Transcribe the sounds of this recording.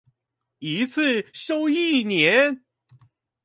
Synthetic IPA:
i˧˥t͡sʰɹ̩˥˩ɕo˥ʊi˥˩njɛ˨˧˦n

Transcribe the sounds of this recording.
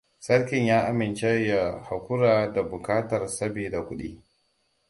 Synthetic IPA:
sɐ˦ɽkʲɪ˨ɲjaː˦ʔa˦mɪ˨nt͡ʃe˦ja˨ha˨kʷʊ˦ɾaː˨da˨bʊ˨kaː˦tɐ˨rsɐ˦beː˨da˨kʷʊ˦ɗḭː˦

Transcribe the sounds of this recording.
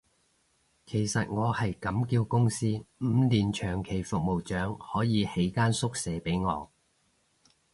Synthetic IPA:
kʰe˨˩jsɐ˨t̚ŋɔː˨˧hɐ˨jkɐ˨˥mkiː˧wkʊ˥ŋsiː˥m̩ː˨˧liː˨nt͡ʃʰœː˨˩ŋkʰe˨˩jfʊ˨k̚mo˨˩wt͡ʃœː˨˥ŋhɔː˨˥jiː˨˧he˨˥jkaː˥nsʊ˥k̚sɛː˨˥pe˨˥jŋɔ̰ː˨˧

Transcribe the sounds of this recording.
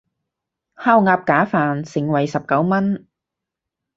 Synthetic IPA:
haː˥wŋaː˧p̚kaː˨˥faː˨˩nsɪ˨˩ŋwɐ˨jsɐ˨p̚kɐ˨˥wmɐ˥n

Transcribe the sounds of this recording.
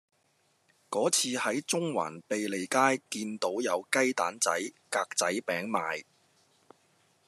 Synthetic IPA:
kɔː˨˥t͡sʰiː˧hɐ˨˥jt͡sʊ˥ŋwa̰ː˨˩npe˨jle˨jkaː˥jkiː˧nt̪o˨˥wjɐ˨˧wkɐ˥jt̪aː˨˥nt͡sɐ̰˨˥jkaː˧k̚t͡sɐ˨˥jpɛː˨˥ŋmaː˨˧j

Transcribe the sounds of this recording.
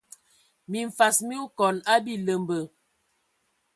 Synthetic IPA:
mi˨ɱ˨fa˨smi˦u˦kɔ˨na˦bi˦lə˨mbə˨

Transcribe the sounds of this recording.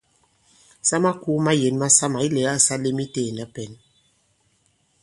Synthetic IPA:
sa˦ma˦ku˦ma˦je˨˦nma˦sa˦ma˨i˦lɛ˨˦a˦˨sa˦le˦mi˦te˦˨na˦pɛ˨n

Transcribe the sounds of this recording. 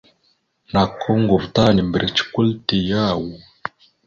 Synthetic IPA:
na˨kʰːo˦ŋɡo˨vta˦˨ni˨mbə˨ɾi˨t͡ʃi̥˦kʷu˦lti˨ja˦˨wu˨

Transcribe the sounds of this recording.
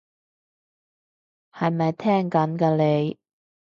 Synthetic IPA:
hɐ˨jmɐ˨jt̪ʰɛː˥ŋkɐ˨˥nkɐː˧le˨˧j

